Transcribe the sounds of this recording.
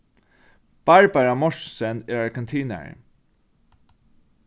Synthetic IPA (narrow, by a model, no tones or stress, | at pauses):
b̥ɑɹbaɹamɔʂsɛneɹaɹkɛnt̪ʰiːnə̰ɹ